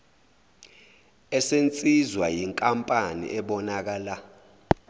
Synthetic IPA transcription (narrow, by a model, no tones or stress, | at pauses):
ɛsent͡sʼizwajiŋkʼampʼanḭʔɛɓɔnak̬aːla